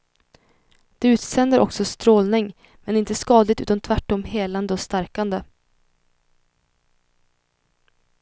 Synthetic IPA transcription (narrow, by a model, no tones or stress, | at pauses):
d̪̥ɛʉ̟ːt̪sɛnd̪əɾɔ̰ksɔst̪ɾoːlnɪŋ | mɛnɪnt̪əskɑːd̪lɪt̪ʉ̟ːt̪ant̪ʰvæʈːɔmheːland̪əɔst̪æɾkand̪ə